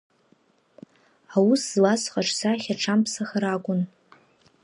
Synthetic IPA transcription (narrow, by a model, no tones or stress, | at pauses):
awuszlasχaʈ͡ʂʰʼsaχʲaʈ͡ʂʰampʰsaχaɾakʷʼʊn